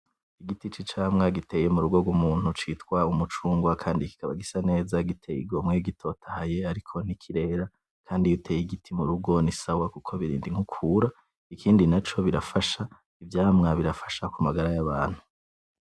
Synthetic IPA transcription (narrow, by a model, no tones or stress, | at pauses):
iɡitit͡ʃit͡ʃaːmŋaɡite̞jemuɾuɡo̞ɡumuːn̥hut͡ʃiːtkwaumut͡ʃuːŋɡwakʰaːndiki̥kʰaβa̰ɡisane̞ːzaɡitʰejḭɡo̞mŋe̞ɡitʰo̞tʰahaje̞aɾikʰo̞nikʰiɾe̞ːɾa | kʰaːndijutʰe̞jiɡitʰimuɾuɡo̞nisawakukʰo̞βiɾḭːndiŋ̥ukʰuːɾa | ikʰiːndinat͡ʃo̞βiɾafaʃa | ivjaːmŋaβiɾafḁʃakumaɡaɾajaβaːn̥hu̥